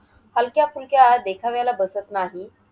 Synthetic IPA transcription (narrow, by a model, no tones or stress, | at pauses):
halkjafulkjad̪ekʰaʋjalabəsət̪naɦi